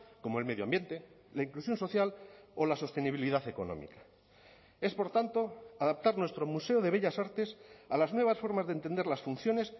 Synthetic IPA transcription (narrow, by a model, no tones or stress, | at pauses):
ko̞mo̞e̞lme̞ðjoambje̞nt̪e̞ | laiŋklusjo̞nso̞θjalo̞laso̞st̪e̞niβ̞iliðaθe̞ko̞̰nõ̰mḭkḁ | e̞spo̞ɾt̪ant̪o̞aðap̚t̪aɾnwe̞st̪ɾo̞muse̞oð̞e̞β̞e̞ʎasaɾt̪e̞salaznweβ̞asfo̞ɾmazðent̪e̞nd̪eɾlasfunθjo̞ne̞s